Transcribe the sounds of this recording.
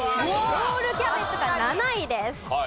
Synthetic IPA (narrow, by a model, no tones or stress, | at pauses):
mooɾoːɾɯ̟kʲapet͡sɨɡananaid̪esɨ̥